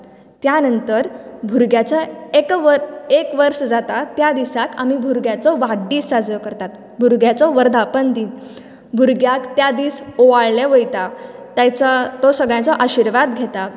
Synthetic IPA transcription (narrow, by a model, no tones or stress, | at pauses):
t̪janənt̪əɾbʱuɾɡjat͡saekʋəekʋəɾsd͡zat̪at̪jad̪isaka̰mibʱuɾɡjat͡sɔʋaɽɖiːsːad͡zʋəkəɾt̪at̪ | bʱuɾɡjat͡sɔʋəɾd̪ʱapənd̪i | bʱuɾɡjakt̪jad̪iːsoʋaɭlẽʋəjt̪at̪jat͡sat̪ɔsəɡɭjãt͡sɔʔaɕiɾʋad̪ɡʱet̪a